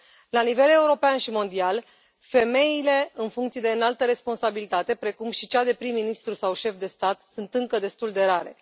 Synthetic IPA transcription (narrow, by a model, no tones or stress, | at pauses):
lanive̞le̞uɾo̞peanʃimo̞nd̪ial | fe̞me̞ile̞ɨnfuŋkt̪sied̪eɨnalt̪əɾe̞spo̞nsabilit̪at̪e̞pɾe̞kumʃit͡ʃad̪e̞pɾimːinist̪ɾusawʃe̞fd̪e̞st̪at̪sunt̪ɨŋkəd̪e̞st̪uld̪e̞ɾaɾe̞̰